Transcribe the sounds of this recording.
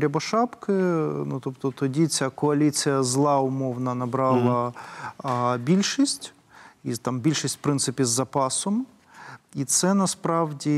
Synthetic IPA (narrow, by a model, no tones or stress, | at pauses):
ɾʲɐbɔʃɑpkɪnut̪ɔpt̪ɔt̪ɔdʲit͡sʲakɔɐlʲit͡sʲijɐzlˠɑʊmɔwnɐnɐbɾɑlˠɐ | bʲilʲʃisʲtʲ | it̪ɑmbʲilʲʃisʲtʲfpɾɪnsɪpʲizːɐpɑsɔm | it̪sɛnɐspɾɑwdʲi